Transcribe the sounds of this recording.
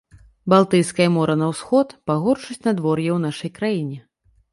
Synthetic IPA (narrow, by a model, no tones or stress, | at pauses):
balˠt̪ɨjskɐjɐmɔɾɐnɐwsxɔt̪paɣɔrt͡ʂɨt͡sʲnad̪vɔrjɛwnaʂɐjkɾajinʲɛ